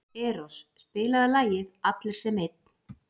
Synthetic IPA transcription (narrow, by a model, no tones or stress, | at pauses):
ɛːɾosːpɪːlaðalaːjɪðat̪lɪɾ̥sɛmejt̪̚n̥